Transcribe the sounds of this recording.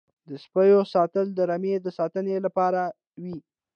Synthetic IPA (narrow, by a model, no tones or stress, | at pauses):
d̪əspəjosɑt̪əld̪əɾamed̪əsɑt̪ənelapɑɾa | wi